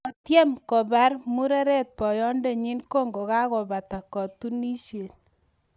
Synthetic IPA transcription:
ɔ˨tjɛ˦mkɔ˨ba˦rmu˦ɾɛ˦ɾɛ˦t̚pɔ˨jɔ˦nde˨ɲi˦nko˦ŋɡo˨ka˦kɔ˨ba˨ta˨kɔ˨tu˦ni˦ʃje˨t̚

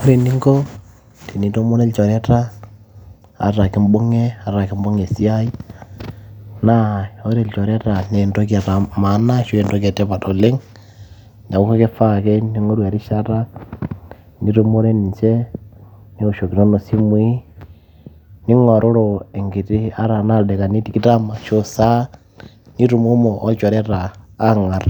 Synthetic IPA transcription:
o˦ɾe˨ni˦ŋɡo˦ | ti˨ni˦to˦mo˦ɾe˦lt͡ʃɔ˨ɾe˦ta˦ | a̰˨ɾa˨ki˦mbo˦ŋe˦a˨ɾa˨ki˦mbo˦ŋe˨si˦a˦i˦ | na˦o˦ɾe˨lt͡ʃɔ˨ɾe˦ta˨ne˨ndo˦k̬a˨ta˨ma˨˦na˦ʃwe˨ndo˦ka˨te˦pa˨to˨le˦ŋ | na˨ko˦ko˦ke˦fa˦ke˦ni˦ŋo˦ɾwa˨ɾi˦ʃa˦ɾa˦ | ni˦ɾumo˦ɾe˦ni˨t͡ʃe˦ | ni˦o˨ʃo˨ki˨ɾo˦no˨si˦mwi˦ | ni˦ŋo˨ɾo˦ɾoe˨ŋɡi˨ti˦a˦ɾa˨na˦de˨ka˨ni˦ti˦ki˦ta˦ma˨ʃosa˦ | ni˦ɾu˨mo˦moʔo˦t͡ʃo˨ɾe˦ɾaː˨˦ŋa˨ɾa˨

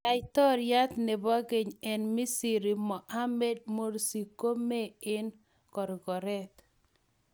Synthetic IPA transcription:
a˨jt̪ɔ˦ɾja˦t̪nɛ˨bɔ˦ɡe˨ɲɛ˨nmi˦si˨ɾi˨mɔ˨ʔa˦mɛ˦d̚mo˦ɾsi˨ko˦me˦ɪ˦n | kɔ˨ɾɡɔ˨ɾɛ˦t̪

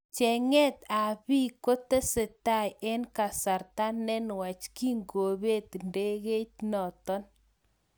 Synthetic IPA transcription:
t͡ʃɛ˨ŋɛ˦t̪a˨bi˦ko˦t̪e˦se˨ta˦˨jɛ˦nka˨sa˨ɾta˦nːɛ˦nwa˨t͡ʃki˦ŋɡo˨βe˦˨t̪nde˦ɣe˦t͡ʃnɔ˨t̪ɔ˦n

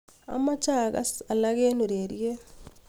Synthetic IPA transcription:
a̰˨ma˦t͡ʃa˦ɣa̰˦sa˨la˦ɣe˦nu˨ɾeɾje˦

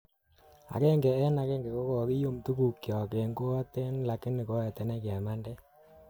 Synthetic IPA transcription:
a̰˨kɛ˦ŋɡɛ˨ɛ˦na˨kɛ˦ŋɡɛ˨ko˦kɔ˨ɣi˦jo˦mtu˦ku˨kjɔ˨ke˨ŋɡo˦ɔ˦t̪e˦nla˨kɪ˦nːi˨ko˦ɛ˨tɛ˨nɛ˦kjɛ˨ma˦ndɛ˦

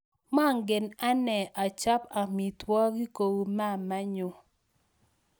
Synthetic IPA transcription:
ma˦˨ŋɡɪ˨na˦nɛ˨ʔa˨t͡ʃa˦pa˨mi˨twɔ˦ɡi˦ko˨wu˨ma˦˨ma˦ɲʊ˨

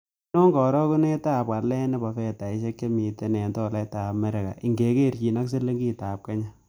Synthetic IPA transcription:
nɔ˦ŋɡɔ˨ɾɔ˦ku˦ne˦ta˦˨pka˨lɛ˦nɛ˦ba˨fɛ˦˨ta˨i˨ʃe˦kt͡ʃe˦mi˨te˦nɛ˨ntɔ˦˨la˦ta˨mɛ˦ɾe˨ka̰˨ʔi˨ŋɡe˨˦ke˦˨ɾt͡ʃi˨na˦kse˦lːe˦ŋɡi˦ta˨p̚ka˦ɲa˦

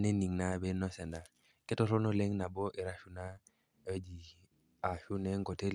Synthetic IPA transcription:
ne˦ni˨ŋna˦be˦nɔ˦sɛ˨nda˨ | ke˦to˦ɾo˦no˦le˦ŋna˨bo˦ʔi˨ɾa˦ʃu˦na˦˨ | e˦d͡ʒi˨ | a˨ʃu˦ne˦ŋɡo˨te˦l

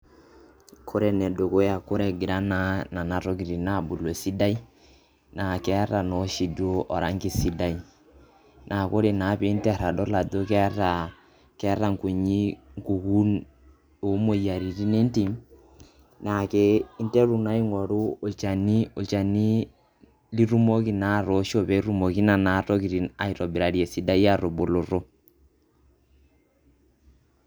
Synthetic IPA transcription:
kʰo˦ɾɛ˨nɛ˨do˨ko˦ja˨ko˦ɾɛ˨ɡi˨ɾa˦na˦na˨na˨ɾo˦ki˨ɾi˨na˦˨bu˨lo˨si˦da˦i˦ | na˨kɛ˦a˦ɾa˨nɔ˨˦ʃi˨do˦ʔɔ˨ɾa˨˦ŋki˦si˦da˦i˦ | nʔa˨ko˦ɾe˨na˨˦pe˨˦n˦tɛ˦a˨ɾa˨dɔ˦la˨do˦kɛ˦a˦ɾa˨ | kɛ˦a˦ɾa˨ŋ˨ku˨ɲi˦ŋku˨ku˦n | o˨˦mo˨ja˨ɾi˨ɾi˦ne˦nti˨m | na˨ke˦i˦ntɛ˦ɾu˨na˦i˦ŋɔ˨ɾu˦o˨t͡ʃa˨ni˦o˨t͡ʃa˨ni˦ | li˦ɾu˦mo˦ki˨na˨˦ɾɔ˨˦ʃo˦βɛ˨˦ɾu˦mo˨ki˦na˨na˨˦ɾɔ˦ki˨ɾi˨na˨i˨ɾɔ˨bi˨ɾa˨ɾjɛ˨si˨da˦i˦a˦˨ɾo˨bo˨lo˨ɾo˦

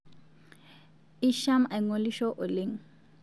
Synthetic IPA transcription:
i˦ʃa˦ma˨jŋo˨li˦ʃo˦ʔo˨li˦ŋ

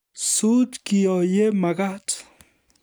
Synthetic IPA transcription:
su˦tki˨ɔ˨je˦ma˨ɡa˦t

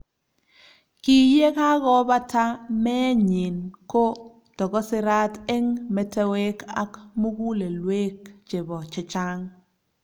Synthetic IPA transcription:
ki˨je˦ka˦ɡɔ˦ba˦ta˦mɛ˦ɲɪ˨nko˦ | tɔ˨kɔ˦sɪ˦ɾa˦te˦ŋmɛ˨tɛ˦we˦ka̰˦kmo˦ɡu˦le˨lwe˦k̚t͡ʃɪ˨bɔ˨t͡ʃɪ˨˦t͡ʃa˦ŋ

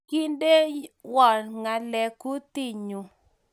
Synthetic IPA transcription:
ki˦nde˦wɔ˨ɾŋa˨lɛ˨ku˦t̪i˦˨ɲu˨

